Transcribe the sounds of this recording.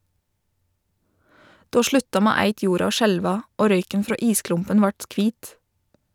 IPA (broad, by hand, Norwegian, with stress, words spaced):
ˈdoː ˈʃɭʉtɑ ˈmeː ˈæɪt ˈjuːɾɑ ˈoː ˈʃɛlʋɑ ˈoː ˈɾœʏkən ˈfɾoː ˈiːˌsklʊmpən ˈʋɑʈ ˈkʋiːt